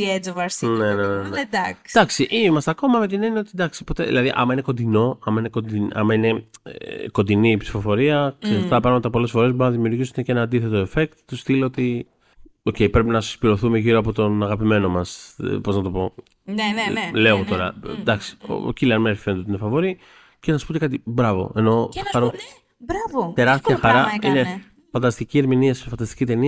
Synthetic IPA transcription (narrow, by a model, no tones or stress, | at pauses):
ied͡zovɐɾsnenenened̪ɐkd̪ɐksiʔimɐst̪eɐko̞mɐme̞t̪̬ineniot̪id̪ɐksi̥po̞t̪e̞ðḭlɐðiʔɐ̰mɐineko̞nd̪ino̞ɐmɐinekod̪iɐ̰mɐine̞ | ko̞nd̪iniːpsi̥fo̞fo̞ɾiɐksest̪ɐpɾɐɣmɐt̪ɐpo̞le̞sfo̞ɾezboɾunɐðimiuɾʝisund̪ecee̞nɐːnd̪iθe̞t̪o̞efe̞kt̪t̪ust̪ileot̪i | o̞ce̞jpɾe̞pinɐsi̥spiɾo̞θume̞ʝiɾoɐpo̞t̪o̞nɐɣɐpime̞no̞mɐspo̞znɐt̪o̞po̞ | nle̞ɣot̪o̞ɾɐ̰d̪ɐksi̥o̰ciliɐnmeɾfifend̪ot̪inefɐvo̞ɾi | cenɐsu̥spot̪ekɐt̪ibɾɐvo̞̰e̞no̞ɐɾo | ɾavot̪e̞ɾɐst̪iɐxɐɾɐine | fɐnd̪ɐst̪icie̞ɾminiɐsfɐnd̪ɐst̪i̥cit̪e̞niɐ